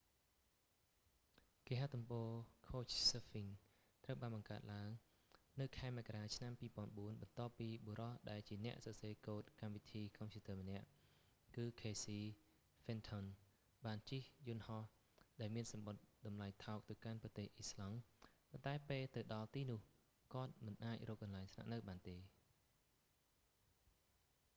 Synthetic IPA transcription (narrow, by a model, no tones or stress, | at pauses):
keːɦat̪umpɔːkʰoːt͡ɕsefiŋ | t̪rəwɓaːnɓɑŋkaət̪̚laəŋ | nɨwkʰaɛmɛkaraːt͡ɕʰnampiːpɔ̆ənɓuənɓɑnt̪ŏəpːiːɓoɾɑhɗaɛlt͡ɕiənɛ̆əʔsɑseːkoːt̪̚kamʋit̪ʰiːkɑmpʰjuːt̪əːmənɛ̆əʔ | kɨːkʰeːsiː | fɛnt̪ʰɔn | ɓaːnt͡ɕihjunhɑh | ɗaɛlmiənsɑmɓot̪̚ɗɑmlaɛjt̪ʰaɔk̚t̪ɨwkanprɑt̪eːhʔislɑŋpont̪aɛpeːlt̪ɨwɗɑlt̪iːnʊ̆əh | kŏət̪̚mɨnʔaːc̚rɔːk̚ːɑnlaɛŋsna̰ʔnɨwɓaːnt̪eː